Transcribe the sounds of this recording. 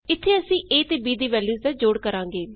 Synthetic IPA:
ɪt̪ʰːeːəsĩːʔeːt̪eːbiːd̪iːʋɛːljuːsd̪ɛːd͡ʒoːɽkəɾãːŋɡeː

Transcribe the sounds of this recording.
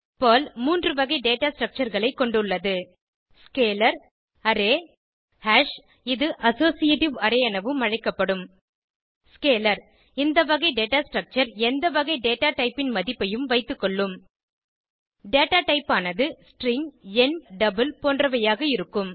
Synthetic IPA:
poːlmuːndrɯʋɐɣɐɪɖeːʈaːsʈɾɐk̚t͡ʃɐɾɣɐɭɐɪkːɔɳɖɯɭːɐðɯ | skeːlɐɾ | ɐɾeː | haːʂ | ɪðɯʔɐsoːsɪjeːʈɪʋɐɾɐjɐnɐʋɯmɐɻɐɪkːɐpːɐɽɯm | skeːlɐɾ | ɪnd̪ɐʋɐɣɐɪɖeːʈaːsʈɾɐk̚t͡ʃɐɾɛnd̪ɐʋɐɣɐɪɖeːʈaːʈɐɪpːɪnmɐðɪpːɐjɯmʋɐɪt̪ːɯkːɔɭːɯm | ɖeːʈaːʈɐɪpːaːnɐðɯsʈɾɪŋɛnɖɐbɯlpoːndrɐʋɐjaːɣɐɪɾɯkːɯm

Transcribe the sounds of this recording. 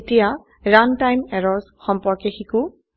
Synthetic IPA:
tija | ɹantajmɛɹɔɹzxɔmpɔɹkexiku

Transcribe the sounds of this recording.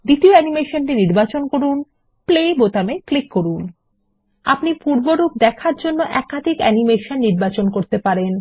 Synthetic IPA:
d̪it̪ioɛnimeʃonʈiniɾbat͡ɕonkoɾun | plejbot̪ameklikːoɾun | a̰pnipuɾboɾub̚d̪ɛkʰaɾd͡ʑonːoʔɛkad̪ʱikɛ̰nimeʃonːiɾbat͡ɕonkoɾt̪epaɾen

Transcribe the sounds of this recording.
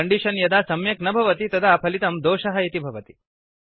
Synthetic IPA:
ɐɳɖiʃɐnjɐd̪aːsɐmjɐknɐbʱɐʋɐt̪it̪ɐd̪ʰʱaːpʰɐlit̪ɐmd̪oːʃɐɦɐit̪ibʱɐʋɐt̪i̥

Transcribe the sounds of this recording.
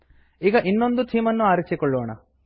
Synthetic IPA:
iːɡɐʔinːo̞nd̪ut̪ʰiːmɐnːuaːɾit͡ʃikɔɭːoːɳɐ̰

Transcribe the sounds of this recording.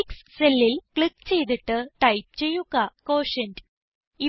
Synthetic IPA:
ksselːilkɭikːt͡ɕe̞jt̪iʈːɨʈɐjp̚t͡ɕe̞jːuɣɐkoːʂɐnd | i

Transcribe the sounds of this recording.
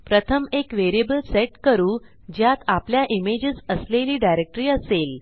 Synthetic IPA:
pɾət̪ʰəmekʋeɾebəlseʈkəɾuː | d͡ʑjat̪apljaʔimed͡ʑəsəsleliːɖajɾek̚ʈəɾiːəsel

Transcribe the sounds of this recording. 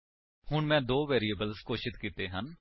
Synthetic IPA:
hʊɳmɛ̃ːd̪oːʋɛːɾiːəbəlskoːʃɪt̪kiːt̪eːɦən

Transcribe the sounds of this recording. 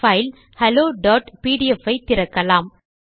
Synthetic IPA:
fɐːɪl | hɐloːɖɔːʈpiːɽɪɛfɐɪt̪ːɪɾɐkːɐlaːm

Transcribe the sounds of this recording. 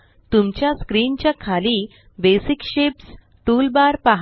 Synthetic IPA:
t̪umt͡ɕjaskɾiːnt͡ɕjakʰaliː | besikɕeps | t̪ulbaɾpaɦ

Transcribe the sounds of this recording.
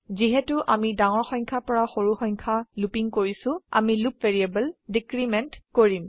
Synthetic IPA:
ziɦɛtʊʔamidaŋɔɹxɔjŋkʰapɔɹaxoɹuxɔjɲkʰalupiŋkoɹisʊ̃a̰milupveɹiebɛldikɹimɛntkoɹim

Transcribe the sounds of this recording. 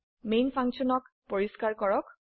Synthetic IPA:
mejnpʰãŋsɔnɔkpoɹiskaɹkɔɹɔk

